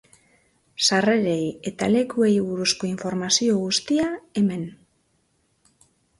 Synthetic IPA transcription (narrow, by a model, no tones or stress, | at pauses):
sare̞ɾe̞je̞t̪ale̞kue̞jβuɾusko̞iɱfo̞ɾmasio̞ɣ̞ust̪iae̞me̞n